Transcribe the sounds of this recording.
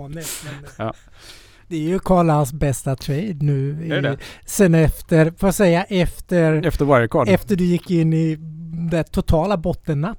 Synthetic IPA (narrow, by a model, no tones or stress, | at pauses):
nəmɛn | d̪̥ɛæɾjɵkʰɑːɭaansbɛst̪at̪ʰɾɛɪd̪nʉ̟ːɪsɛnːɛft̪əɾfoːsɛjːaʔɛft̪əɾɛft̪əɾwajəkʰɔːɖɛft̪əɖɵjɪkːɪnːɪd̪ɛt̪ʰʊt̪ʰɑːlabɔt̪ːənːat̪ː